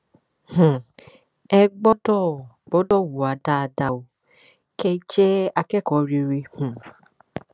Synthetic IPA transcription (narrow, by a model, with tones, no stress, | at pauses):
h̩˨ | ɛ˧ɡ͡bɔ˦dɔ˦˨ | ɡ͡bɔ˨˦dɔ˦˨wu˨a˨da˦˨da˧˨wo˨ | kɛ˦t͡ʃɛ˦a˧kɛ˦˨kɔ˨ɾi˧ɾi˧hũ˨